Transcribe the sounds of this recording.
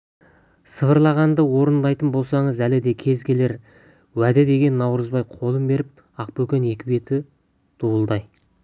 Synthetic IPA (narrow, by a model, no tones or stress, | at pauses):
səvəɾlˠɑʁɑnd̪əwo̞ɾənd̪ɑjt̪ənbo̞lˠsɑɴəzælɪd̪e̞kʲʰe̞zɡʲe̞le̞ɾ | wæd̪ɪd̪e̞ɡʲe̞nːɑwɾəzbɑjqʰo̞lˠəmbe̞ɾɪp̚ | ɑq̚pɵkʲe̞ne̞kʲɪbe̞t̪ɪ | d̪̥uəlˠd̪ɑj